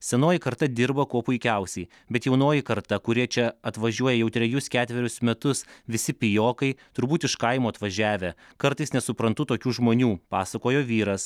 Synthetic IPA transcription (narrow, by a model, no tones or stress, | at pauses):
sʲɛnoːjɪkɐɾt̪ɐd̪ʲɪɾbɐkuɔpʊɪkʲɛʊsʲɛɪ | bʲɛt̪jɛʊnoːjɪkɐɾt̪ɐkʊɾʲiɛt͡ʃʲɛɐt̪ʋɐʒʲuɔjɛjɛʊt̪ʲɾʲɛjʊskʲæːt̪ʲʋʲɛɾʲʊsmʲɛt̪ʊsʋʲɪsʲɪpʲɪjoːkɐɪt̪ʊɾbuːt̪ɪʃkɐɪmoːɐt̪ʋɐʒʲæːʋʲe | kɐɾt̪ɐɪsnʲɛsʊpɾɐnt̪ʊt̪oːkʲuːʒmoːnʲuːpɑːsɐkoːjoːʋʲiːɾɐs